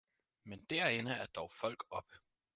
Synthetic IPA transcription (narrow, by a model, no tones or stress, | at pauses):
mend̥æɐ̰e̝nəæɐd̥ɒʊfɒ̽l̰ɡ̥ɒ̽b̥